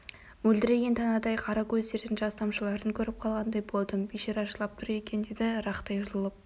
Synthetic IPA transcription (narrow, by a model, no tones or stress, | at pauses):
wɵld̪ɪɾe̞ɡʲe̞nt̪ʰɑnɑd̪ɑjqʰɑɾɑkʲʰɵzd̪e̞ɾd̪ɪnʒɑst̪ɑmʃəlˠɑɾəŋkʲʰɵɾɪp̚qʰɑlˠʁɑnd̪ɑjbo̞lˠd̪əmbeʃeɾɑʒəlˠɑp̚t̪ʰʊɾe̞kʲʰe̞nd̪e̞d̪ɪɾɑqt̪ɑjʊzəlˠəp̚